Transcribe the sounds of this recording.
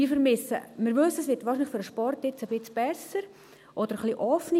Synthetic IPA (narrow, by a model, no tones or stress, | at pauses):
iːfəɾmɪsə̰mɪɾʋɵsəəsʋɪtʋɑːɾʃinlɪfʏɾəʃpɔrtɪt͡səbɪt͡sb̥ɛsəɾ | ʔɔd̥̪əɾχliʔɔfni